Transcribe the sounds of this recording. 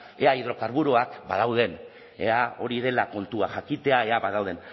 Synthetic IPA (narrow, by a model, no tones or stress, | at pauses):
e̞aiðɾo̞kaɾβuɾoakba̰ðawð̞e̞n | ḛao̞ɾið̞e̞lako̞nt̪uaʝakit̪e̞ae̞aβaðawðe̞n